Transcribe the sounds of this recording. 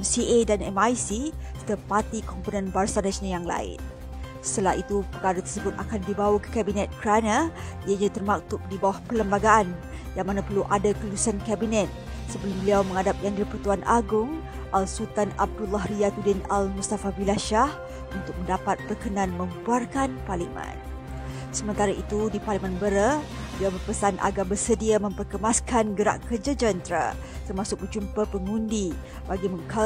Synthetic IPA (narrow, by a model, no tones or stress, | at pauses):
ɛmsiedanɛmajsist̪əpat̪ikɔmponɛ̃nbarsanasnajaŋla̰ɪ̰n | sə̥t̪əlahit̪upəkaɾat̪ərsəbʊt̪akandibawakə̥kabinɛt̪̚kəɾanaiaɲãt̪ərmak̚t̪ʊp̚dibawahpələmbaɡaan | jaŋmanapərluʔadakəlusankabinɛt̪̚ | səbəlumbəliawmə̃ŋadap̚jaŋdipərt̪uanʔa̰ɡʊŋ | ʔalsult̪anab̚dulaɦɾiat̪udɪnalmust̪afabilaʃah | unt̪ʊk̚məndapat̪̚bərkənãnmə̃mbuarkanparlimə̰̃n | səmə̃nt̪aɾaʔit̪udiparlimãnbəɾə | bəliawbərpəsanʔa̰ɡarbərsədiamə̃mpərkəmaskanɡəɾa̰ʔkərd͡ʒad͡ʒənt̪ɾa̰ | t̪ərmasʊk̚bərd͡ʒumpapəŋũndi | baɡimə̃ŋka